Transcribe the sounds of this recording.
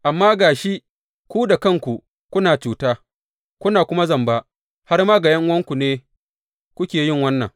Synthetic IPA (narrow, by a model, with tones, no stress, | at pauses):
ʔa˨mːaː˦ɡaː˨ʃi˦ʔ | kʷuː˦da˨kɐ˦˨ŋkʷu˨ | kʷʊ˦naː˨t͡ʃuː˨taː˦ | kʷʊ˦naː˨kʷʊ˦ma˦zɐ˨mbaː˦ | ha˦rmaː˦ɡa˨jɐ˦ŋwɐ˦ŋkʷu˨neː˦ | kʷʊ˦kʲeː˨jɪ˦˨ŋwɐ˦nːɐ̰˨ŋ